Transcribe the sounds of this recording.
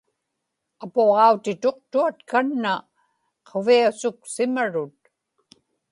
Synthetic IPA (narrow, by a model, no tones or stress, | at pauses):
apoʁɑut̪ɪt̪o̞q̚t̪uat̪kanːa | qʰoviasʊksɪmaɻʊt̪̚